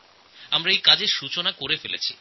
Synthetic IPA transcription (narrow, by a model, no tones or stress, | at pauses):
amɾaejkad͡ʑeɾʃut͡ɕonakoɾefelḛt͡ɕʰi̥̰